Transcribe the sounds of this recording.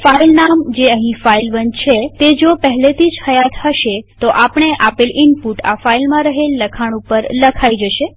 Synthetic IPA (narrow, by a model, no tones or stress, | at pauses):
failnamd͡ʒeəɦĩfailʋəɲd͡ʒt͡ʃʰet̪ed͡ʒopəɦlet̪ʰid͡ʒhəjat̪həʃet̪oʔapɳ̃eʔapelɪnpuʈa̰failmãɾəɦelːəkʰaɽ̃upəɾləkʰaid͡ʒəʃe